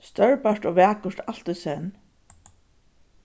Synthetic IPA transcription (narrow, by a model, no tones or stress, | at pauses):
st̪œɹpaʂt̪oːʋɛːkʊʂt̪al̥t̪ɔsɛn